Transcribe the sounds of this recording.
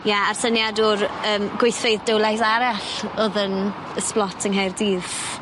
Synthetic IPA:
jaarθənjadʊrəːmɡ̥weθfejðdəwlˠajsaɾaɬɔðən | əsplˠɔtʰəŋɦajrdiːð

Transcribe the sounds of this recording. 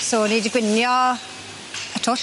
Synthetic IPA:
soːnedəɡwɪnjɔ | ətʰoːɬ

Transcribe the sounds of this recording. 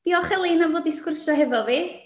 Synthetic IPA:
d̥iɔχɛlˠejnavoːdiskʊrsɔɦɛvɔviː

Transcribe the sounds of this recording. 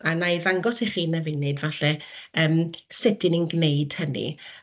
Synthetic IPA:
anajvaŋɡɔsiχiːnɛvɪjnɨdvaɬɛəːmsɪdɪnənɡneɨd̥hənḭ

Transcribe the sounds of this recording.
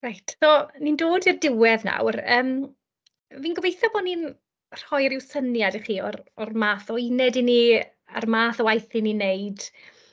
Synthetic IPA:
rajtʰsonindoːdirdɪwɛðna̰wrəːm | viːnɡɔvejθɔbɔnin | r̥ɔjɾɪwsənjadiχiːɔrɔrmaːθɔinɛdini | a̰rmaːθɔwajθininejd̥

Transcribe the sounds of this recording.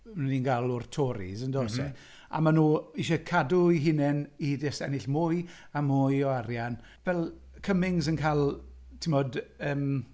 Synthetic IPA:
mninɡalˠʊrtʰɔɾḭzəndosɛ | a̰manuːiʃɛkʰadʊiɦɪnɛnidɪsɛ̰nɪɬmʊj | amʊjɔaɾjan | vɛlˠ | kʰəmɪŋzənkʰalˠ | tʰɪmɔdəːm

